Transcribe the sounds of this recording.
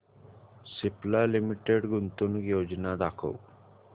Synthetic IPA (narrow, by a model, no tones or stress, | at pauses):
siplalimiʈeɖɡunt̪unɡjod͡ʒnad̪akʰo̰w